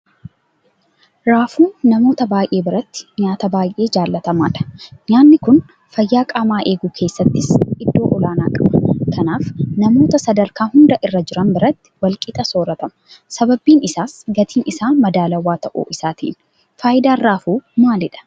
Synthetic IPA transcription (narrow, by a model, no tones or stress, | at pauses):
ɾaːfuːnːɐmo̞ːt̪ɐbaːjʔe̞ːbɪɾɐt̪ːɪ̥ɲaːt̪ɐbaːjʔe̞ːd͡ʒaːlːɐt̪ɐma̰ːᶑɐ̥ɲaːnːɪkʊn | fɐjːaːkʼaːmaːʔe̞ːɡuːkʰe̞ːsːɐt̪ːɪsɪd̪ːo̞ːʔɔlaːnaːkʼɐbɐ̥kʰɐnaːfnɐmo̞ːt̪ɐsɐd̪ɐɾkaːhʊnd̪ɐʔɪrːɐd͡ʒɪɾɐnbɪɾɐt̪ːɪ̥wɐlkʼɪt̪ʼɐso̞ːɾɐt̪ɐmɐ̥sɐbɐbiːnɪsaːsɡɐt̪ʰiːnɪsaːmɐd̪aːlɐwaːt̪ɐʔṵːʔɪsaːt̪ḭːn | faːjɪd̪aːrːaːfuːmaːlɪᶑɐ̥